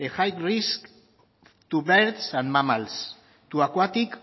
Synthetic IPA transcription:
exajkrisk | t̪ubeɾt̪sãnmamals | t̪uakwat̪ik

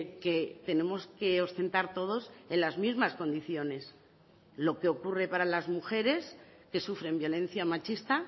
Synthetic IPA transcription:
ke̞t̪e̞ne̞mo̞ske̞o̞st̪e̞nt̪aɾt̪o̞ð̞o̞se̞nlazmizmasko̞nd̪iθjo̞ne̞s | lo̞ke̞o̞kure̞paɾalazmuxe̞ɾe̞s | ke̞sufɾe̞mbjo̞lẽ̞n̟θjamat͡ʃist̪a

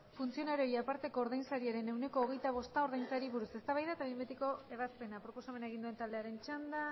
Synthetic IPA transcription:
funt͡sio̞naɾiojapaɾt̪eko̞ːɾðajnsaɾiaɾe̞newne̞ko̞ːɣ̞e̞jt̪aβ̞o̞st̪ao̞ɾðajnsaɾiβuɾuse̞st̪aβajðat̪aβimbet̪iko̞e̞β̞aspe̞napɾo̞po̞same̞nae̞ɣind̪ue̞nt̪ald̪e̞aɾe̞nt͡ʃand̪a

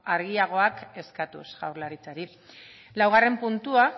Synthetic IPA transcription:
aɾɣiaɣ̞o̞ake̞skat̪ṵsɣawɾlaɾit͡saɾi | lawɣ̞are̞mpunt̪ua

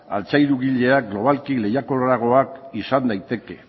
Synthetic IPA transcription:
a̰lt͡sajɾuɣiʎe̞aɡlo̞β̞alkile̞jako̞raɣ̞o̞akisand̪ajt̪e̞ke̞

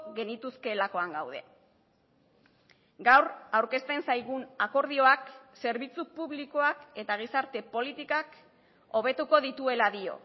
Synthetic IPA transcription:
ɣe̞nit̪uske̞lako̞aŋɡawð̞e̞̰ | ɡawɾawɾke̞st̪e̞nsajɣ̞unako̞ɾð̞io̞akse̞ɾβit͡supuβliko̞ake̞t̪aɣ̞isaɾt̪e̞po̞lit̪ikak | o̞β̞e̞t̪uko̞ðit̪ue̞laðio̞̰

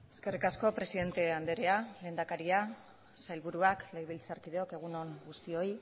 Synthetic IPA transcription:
e̞ske̞rikasko̞pɾe̞siðe̞nt̪e̞and̪e̞ɾeale̞ːnd̪akaɾia | sajlβuɾuaklejβilt͡saɾkiðeo̞ke̞ɣ̞uno̞ŋɡust̪io̞j

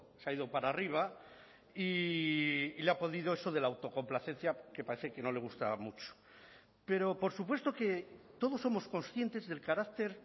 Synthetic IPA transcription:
seaiðo̞paɾariβ̞a | iː | leapo̞ðiðoeso̞ðe̞laːwt̪o̞ko̞mplaθe̞n̟θjake̞paɾe̞θeke̞no̞le̞ɣ̞ust̪a̰mut͡ʃo̥ | pe̞ɾo̞po̞ɾsupwe̞st̪o̞ke̞t̪o̞ð̞o̞sːomo̞sko̞nsθje̞nt̪e̞zðe̞lkaɾak̚t̪e̞ɾ

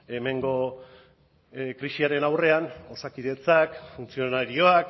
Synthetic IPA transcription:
e̞me̞ŋɡo̞ | kɾiʃiaɾe̞nawre̞ano̞sakiðe̞t͡sakfunt͡sio̞naɾio̞ak

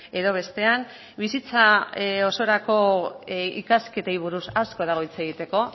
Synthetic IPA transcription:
e̞ðo̞β̞e̞st̪e̞an | bisit͡sao̞so̞ɾako̞ | ḭkaske̞t̪ejβ̞uɾusasko̞ðaɣ̞o̞jt͡se̞ɣ̞it̪e̞ko̞

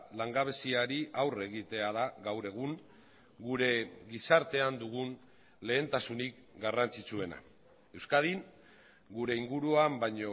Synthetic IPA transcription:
laŋɡaβ̞e̞siaɾiʔawre̞ɣ̞it̪e̞að̞aɣawɾe̞ɣ̞uŋ | ɡuɾe̞ɣisaɾt̪e̞and̪uɣun | le̞ːnt̪asunik | ɡarant͡sit͡sue̞na̰ | e̞wskað̞iŋ | ɡuɾe̞iŋɡuɾuambajɲo̞

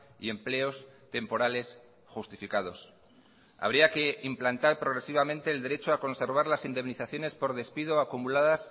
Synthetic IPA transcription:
ḭe̞mple̞o̞st̪e̞mpo̞ɾale̞s | xust̪ifikað̞o̞s | a̰βɾiake̞implant̪aɾpɾoɣ̞ɾe̞siβ̞amẽnt̪e̞ːld̪e̞ɾe̞t͡ʃoako̞nse̞ɾβ̞aɾlasind̪e̞mniθaθjo̞ne̞spo̞ɾðe̞spiðoakumulaðas

